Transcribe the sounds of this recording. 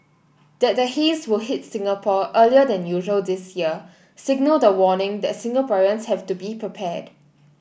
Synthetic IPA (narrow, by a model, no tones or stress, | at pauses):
d̥ɛt̚dəhiswɪlɦit̚sɪ̃ŋəpʰɔʔəliədɛ̃njuʒəldɪsjiə | sɪɡ̚nəldəwɔnɪ̃ŋdɛt̚sɪ̃ŋɡəpɔɹə̃nshɛvtubipʰɹipʰɛd̥